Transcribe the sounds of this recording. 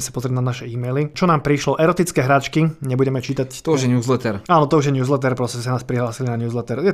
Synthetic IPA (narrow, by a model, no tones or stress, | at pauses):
ɛsḁpɔzɾɛɟ̪nanaʃɛiːmɛjlit͡ʃɔnaːmpɾiʃlɔʔɛɾɔt̪it͡skɛːɦɾaːt͡ʃkiɲɛbuɟɛmɛt͡ʃiːt̪act̪ɔuʒjɛɲuːzlɛt̪ɛɾaːnɔt̪ɔuʒjɛɲuːzlɛt̪̬ɛɾpɾɔscsanaːspɾiɦlaːsilinaɲuːzlɛt̪ɛɾjɛ